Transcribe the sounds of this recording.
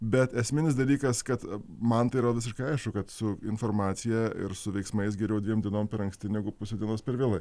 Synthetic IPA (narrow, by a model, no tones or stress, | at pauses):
bʲɛt̪ɛsʲmʲɪnʲɪs̬d̪ɐlʲiːkɐskɐt̪mɐnt̪ɐɪɾɐʋʲɪs̬ʲɪʃkɐɪɐɪʃkʊkɐt̪sʊɪnfoːɾmɑːt̪sʲɪjɛɪ̰ɾsʊʋʲɛɪksmɐɪs̬ɡʲɛɾʲɛʊd̪ʲʋʲiɛmd̪ʲiɛnoːmpʲɛɾɐŋksʲt̪ʲɪnʲɛɡʊpʊsʲoːdʲiɛnoːspʲɛɾʋʲeːlˠɐɪ